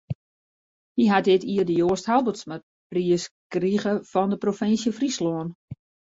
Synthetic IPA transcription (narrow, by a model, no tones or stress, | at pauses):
hiɦatɪtiərdəjoəsthalˠbəsma | priəskriɣəfɔndəprofɪnsjəfrisloːən